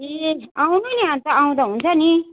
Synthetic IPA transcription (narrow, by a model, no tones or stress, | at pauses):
eaw̃nʌniɦãnt̪ʌaw̃d̪aɦunt͡sʰʌni